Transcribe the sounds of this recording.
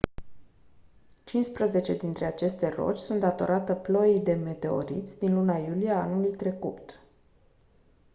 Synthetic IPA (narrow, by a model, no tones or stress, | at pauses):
t͡ʃinspɾəze̞t͡ʃe̞d̪int̪ɾe̞at͡ʃe̞st̪e̞ro̞̰t͡ʃʲsunt̪d̪at̪o̞̰ɾʔat̪əplo̞id̪e̞me̞t̪e̞o̞̰ɾḭt̪sʲd̪inlunajulieanulujt̪ɾe̞kut̪